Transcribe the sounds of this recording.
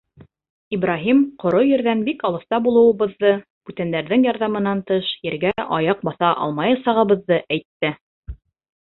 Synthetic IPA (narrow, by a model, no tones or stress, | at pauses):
ibrɑɦimqŏɾojɘ̆ɾðænbikɑlˠɤ̆θt̪ɑbulˠɤ̆wɤ̆βɤ̆ðːɤ | b̥ʉt̪ænd̪æɾðɘŋjɑɾðɑmɤ̆nɑnt̪ɤʃjɘ̆ɾɡæʔɑ̰jɑq̚bɑθɑʔɑ̰lˠmɑjɤsɑʁɤ̆βɤ̆ðːɤʔæjt̪ːɘ